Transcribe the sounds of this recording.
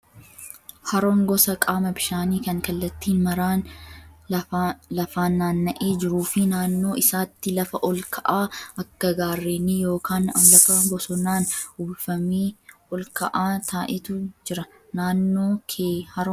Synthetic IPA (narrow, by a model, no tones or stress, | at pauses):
hɐɾɔŋɡɔsɐkʼaːmɐbɪʃaːniːkɐŋkɐlːɐt̪ːiːnmɐɾaːn | lɐfaːnːaːnːɐʔeːd͡ʒɪɾuːfɪnaːnːo̞ːɪsaːt̪ːɪlɐfɐʔɔlkʰɐʔaːʔɐkːɐɡaːrːeːnːɪjo̞ːkʰaːnlɐfɐɡɔsɔnaːnʊbfɐmiːɔlkɐʔaːt̪ʰaːʔɪt̪ʊd͡ʒɪɾɐ | naːnːo̞ːkʰeːhɐɾ